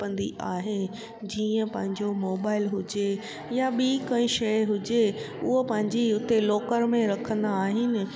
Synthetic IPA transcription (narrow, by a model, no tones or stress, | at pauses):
pə̃nd̪iʔaːɦenɪ̆ | d͡ʑiːə̃pɐ̃ɦɪ̃ɲd͡ʑomoːbaːɪlɦʊd͡ʑe | jaɓiːkɐ̃ɪ̃ʃɐɪɦʊd͡ʑe | ʊɦopɐ̃ɦɪ̃ɲd͡ʑiʊt̪eloːkəɾmẽɾɐkʰə̃nd̪aːɦɪnɪ̆